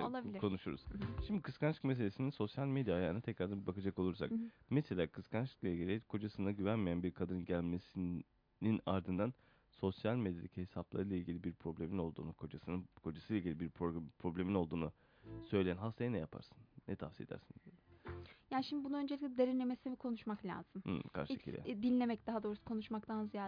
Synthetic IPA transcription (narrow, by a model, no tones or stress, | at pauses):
olˠabilʲkʰo̞nuʃuɾṵz̥ʃimd̪ikʰɯskanʃɯ̥kme̞s̬e̞lʲesininso̞sjalʲmed̪jajaːnat̪ʰɛcɾaɾd̪anbakʰad͡ʒako̞lˠuɾsa̰kmeselʲaːkʰɯskʰanʃɯ̥klˠailʲɟʲilʲikʰo̞d͡ʒasɯnaɟyvænmijænbiɾkʰad̪aɾɯnɟælʲmesi | nina̰ɾd̪ɯnd̪an | so̞sjalʲmed̪jalʲichesaplˠa̰ɾɯlˠailʲɟilʲibiɾpʰɾo̞blʲemino̞lˠd̪ṵːnukʰo̞d͡ʒasɯnkʰo̞d͡ʒasɯːlˠailʲɟilʲibiɾpʰɾo̞blʲemino̞lˠd̪uːnu | sø̞jlʲejænɦast̪ʰajanɛjapʰa̰ɾsɯ̥nːɛt̪ʰafsie̞d̪æ̰ɾsin | jaːnʃimd̪ibunuø̞nd͡ʒelʲic̚ʲlʲɛd̪eɾinʲe̞mesinɛbikʰo̞nuʃmaklʲa̰ːz̥ɯmkʰa̰ɾʃcʰḭlʲɛ̰d̪inʲlʲe̞mɛcd̪aɦad̪oːɾusukʰo̞nuʃmakt̪ʰanzija